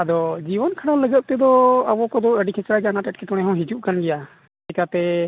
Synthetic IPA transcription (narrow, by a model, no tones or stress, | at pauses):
ad̪ɔd͡ʒiwɔnkʰaɽaləɡət̪̚t̪ɛd̪ɔabɔkɔd̪ɔəɖikʰɛt͡ʃɾaɡanaʈɛʈ̚kɛʈɔɽ̃ɛɦɔ̃ɦid͡ʒuʔkanɡɛja | ɛkat̪ɛ